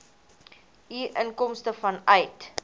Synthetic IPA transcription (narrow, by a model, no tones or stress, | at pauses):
iʔənkɔmstəfɐnœjt